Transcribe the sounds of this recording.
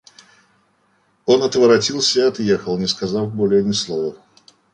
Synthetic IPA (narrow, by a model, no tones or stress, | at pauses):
o̞nɐt̪vəɾɐtʲilˠsʲəiɐt̪jexəlˠnʲɪskɐzɑfbolʲenʲɪslˠovə